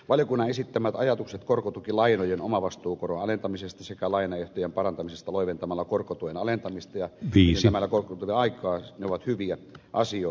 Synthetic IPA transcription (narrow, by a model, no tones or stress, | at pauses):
ʋɑljokunːɑesit̪ːæmæt̪ɑjɑt̪ukset̪korkot̪ukilɑinojenomɑʋɑst̪uːkoronɑlent̪ɑmisest̪ɑsekælɑinɑeht̪ojempɑrɑnt̪ɑmisest̪ɑloˑiʋent̪ɑmɑlːɑkorkot̪uʋenɑlent̪ɑmist̪ɑjɑʋiːesæmælːækorkot̪uʋeɑikˑɑːneoʋɑt̪hyʋiæʔɑsio